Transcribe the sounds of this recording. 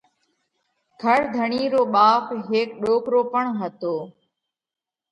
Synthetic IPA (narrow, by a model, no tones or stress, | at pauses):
ɡʱəɾd̪ʱəɳiːɾoːɓaːfɦeːkɗoːkɾoːpəɳɦət̪oː